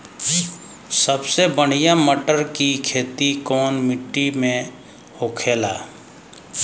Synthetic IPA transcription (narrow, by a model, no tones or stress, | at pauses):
səbsebəɽ̤ijaməʈəɾkikʰeːt̪ikɔːnmɪʈːimẽ | hoːkʰeːla̰ː